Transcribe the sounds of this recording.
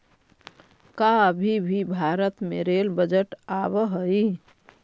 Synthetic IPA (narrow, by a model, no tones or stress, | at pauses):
kabʱibʱibʱaːɾət̪mḛɾelbəd͡ʒəʈaβəɦəi